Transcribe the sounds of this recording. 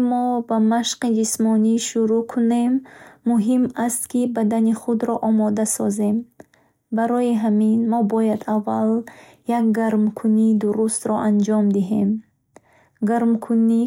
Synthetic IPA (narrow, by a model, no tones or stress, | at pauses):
mɔbamaʃqid͡ʒismɔniʃuɾukʰune̞mːuɦimast̪kibad̪aniχud̪ɾɔʔɔmɔd̪asɔze̞m | baɾɔjiɦaminmɔbɔjad̪avːal | jakɡaɾmkʰunid̪uɾust̪ɾɔʔand͡ʒɔmd̪iɦe̞m | ɡaɾmkʰuni